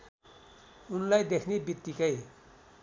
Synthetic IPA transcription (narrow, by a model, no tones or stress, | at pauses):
unlajd̪ekʰnebit̪ːikʌj